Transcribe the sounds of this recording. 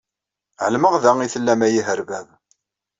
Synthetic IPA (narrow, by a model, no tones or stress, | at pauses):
ʕəlməʁðæŋiθəlːæmæjiɦəɾvæv